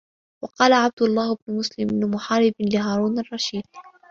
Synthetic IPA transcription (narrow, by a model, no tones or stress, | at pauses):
wɑqɑːlaʕab̚d̪ʊlˤːaːhɪbnʊmʊslɪmnmʊħɑɾɪblɪɦaːɾˤuːnɑrˤːɑʃiːd̪̥